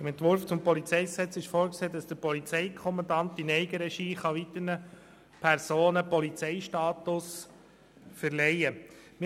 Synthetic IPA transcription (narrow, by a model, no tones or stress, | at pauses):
ɪmɛntʋʊɾft͡sʊmpɔlit͡sɛɪksɛt͡sɪʃfoːɾkseːd̥ɑsd̥əɾpɔlit͡sɛɪkʰχɔmɑndɑnt̚d̪inɛɪɡəɾɛʃiːχɑʋit̪ənə | pʰɛɾsoːnəpɔlit͡sɛɪʃtɑːt̪ʊs | fəɾlɛjə | mɪ